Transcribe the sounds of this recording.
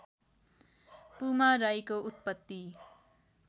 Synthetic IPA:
pumaɾajkout̪̚pʌt̪ːi

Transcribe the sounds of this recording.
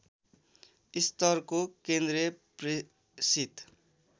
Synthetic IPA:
ist̪ʌrkokend̪riʌpri | sit̪

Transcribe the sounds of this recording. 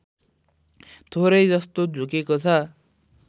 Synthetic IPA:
t̪ʰoɾʌjd͡zʌst̪od͡zʱukekot͡sʰʌ

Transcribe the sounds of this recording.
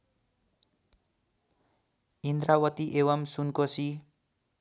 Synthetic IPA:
ind̪rawʌt̪iʔewʌmsunkosi

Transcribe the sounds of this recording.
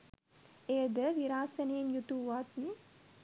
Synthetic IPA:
ejəd̪əʋiɾaːsəneːnjut̪uʋaːt̪ni

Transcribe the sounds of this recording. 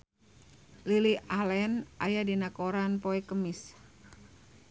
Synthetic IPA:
liliʔalɛnʔa̰jadinakoɾanpoɛkəmis

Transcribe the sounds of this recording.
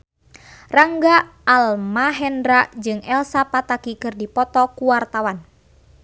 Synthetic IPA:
raŋɡaalmaɦɛndɾaʔd͡ʒɨŋɛlsapat̪akikɨrdipɔt̪ɔkuwart̪awan

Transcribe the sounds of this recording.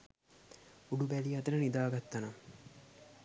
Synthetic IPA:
uɖubæliɐt̪əɾənid̪aːɡat̪ːana

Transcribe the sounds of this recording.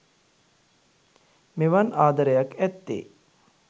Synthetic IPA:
meʋanʔaːd̪ɐɾəjakæt̪ːḛː

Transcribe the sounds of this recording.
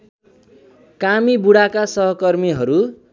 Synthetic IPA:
kamibuɽakasʌɦʌkʌrmiɦʌɾu

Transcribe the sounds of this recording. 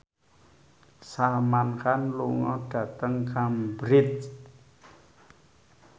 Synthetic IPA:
samankanluŋɔɖ̥a̤t̪əŋkambɾɪt̪̚

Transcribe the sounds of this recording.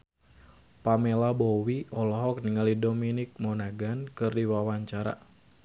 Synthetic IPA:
pamelabɔwiʔɔlɔɦɔk̚niŋalidominik̚mɔnaɡankɨrdiwawaɲt͡ʃaɾa̰

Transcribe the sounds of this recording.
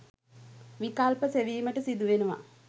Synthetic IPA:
ʋikalpəseʋiːməʈəsid̪uʋenuʋa̰

